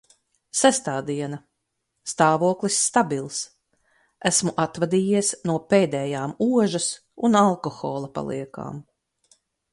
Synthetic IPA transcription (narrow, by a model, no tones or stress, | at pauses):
sæst̪aːd̪iɛna | st̪aːvuɔklˠisːt̪abilˠs | æsmuʔat̪vad̪iːjiɛsnuɔpeːd̪ɛːjaːmuɔʒas | unalˠkɔxɔːlˠapa̰lˠḭɛka̰ːm